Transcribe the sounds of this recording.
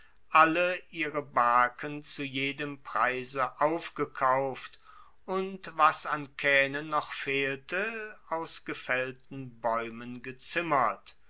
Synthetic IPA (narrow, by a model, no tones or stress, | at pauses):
ʔaləʔiːʁəbaɐkənt͡sujeːdəmpʁ̥aɪzəʔaʊfɡ̥əkʰaʊft | ʔʊntvasankʰɛːnənːɔχfeːltəaʊsɡ̥əfɛltn̩bɔʏmənɡət͡sɪmɐt